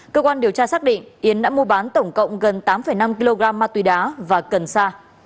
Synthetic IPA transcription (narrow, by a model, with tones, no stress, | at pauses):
kəː˧kwaː˧nɗi˨˩əwt͡ɕaː˧saː˦˥k̚ɗḭ̈˧˨ŋ̟ʔi˨˦ənɗa̰ː˧˥mu˧əɓaː˨˦nt̪ə˧˩wŋ͡mkə̰˧˨wŋ͡mɣə˨˩nt̪aː˨˦mfə˧˩jna˧mki˧lo˧ɣaː˧mːaː˧t̪wi˨˦ɗaː˨˦vaː˨˩kə˨˩nsaː˧